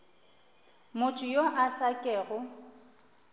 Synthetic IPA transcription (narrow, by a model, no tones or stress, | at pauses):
mʊtʰʼʊjoʔasakʼɛːɣʊ